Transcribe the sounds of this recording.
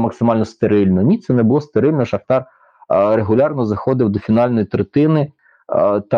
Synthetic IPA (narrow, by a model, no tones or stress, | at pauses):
mɐksɪmɑlʲnɔst̪eɾɪlʲnɔnʲit̪sɛnɛbʊlˠɔst̪eɾɪlʲnɔʃɐxt̪ɑr | ɾeɦʊlʲɑrnɔzɐxɔd̪ɪwd̪ɔfʲinɑlʲnɔjit̪ɾet̪ɪnɪ | t̪ɑ